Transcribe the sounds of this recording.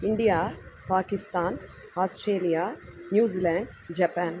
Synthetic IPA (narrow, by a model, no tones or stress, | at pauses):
iɳɖijaːpaːkist̪aːn | aːsʈɾeːlijaːnjuːzilaːɳɖ | d͡ʒɐpaːn